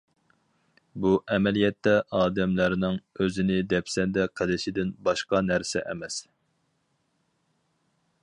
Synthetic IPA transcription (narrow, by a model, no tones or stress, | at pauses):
buʔɛmɛlijɛt̪ʰːɛʔɑːd̪ɛmlæɾnɪŋøzɪnɪd̪ɛpsɛnd̪ɛqʰəlɪʃɪd̪ɪnbɑʃqɑnæɾsɛʔɛmɛs